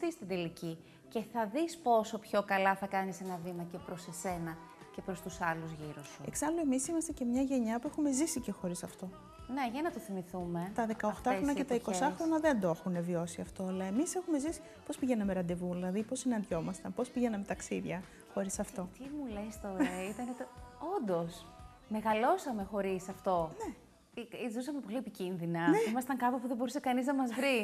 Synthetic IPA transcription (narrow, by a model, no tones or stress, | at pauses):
t̪ist̪ind̪elici | ce̞θɐðispo̞so̞pço̞kɐlɐθɐkɐnisenɐvimɐcepɾose̞se̞nɐ | ce̞pɾo̞st̪usɐluzʝiɾusueksɐloe̞misimɐst̪ece̞mɲɐʝe̞ɲɐpuexume̞zisice̞xo̞ɾisɐft̪o̞ | neʝɐnɐt̪oθimiθume̞t̪ɐðe̞kɐoxt̪ɐxɾonɐcet̪ɐiko̞sɐxɾo̞nɐðe̞nd̪oexune̞vio̞siɐft̪o̞ɐlɐe̞mise̞xume̞zisi̥ | po̞spiʝe̞nɐmeɾɐnd̪evuðilɐðipo̞sinɐnd̪ʝo̞mɐst̪ɐnpo̞spiʝenɐmet̪ɐksiðʝɐ | xo̞ɾisɐft̪o̞t̪imulest̪o̞ɾɐit̪ɐnet̪eo̞nd̪o̞s | me̞ɣɐlo̞sɐme̞xo̞ɾisɐft̪o̞ne̞ | iizusɐmepo̞liepicinðinɐneimɐst̪ɐŋkɐpopuðebo̞ɾusekɐniznɐmɐzvɾi